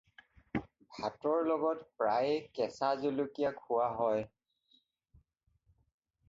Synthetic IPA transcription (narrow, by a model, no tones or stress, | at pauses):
bʱatɔɹlɔɡɔtpɹajkɛsazolukijakʰʊwaɦɔj